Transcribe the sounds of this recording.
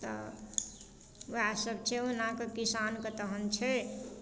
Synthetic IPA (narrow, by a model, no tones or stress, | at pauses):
t̪ə̰ | ʋɦasəbt͡ʃʰɛunakekisankət̪əɦənt͡ʃʰɛ